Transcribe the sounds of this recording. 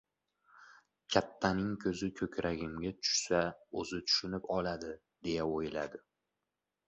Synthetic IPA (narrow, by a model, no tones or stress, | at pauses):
kʲʰat̪ʰːanɪŋkʲʰɵzɪkʲʰɵkʲʰɾʔaɡʲɪmɡʲat̪ʰʊ̥ʃsaɵzɪt̪ʰʊ̥ʃʊnɪpɒlad̪ɪ | d̪̥e̞jaojɪlad̪ɪ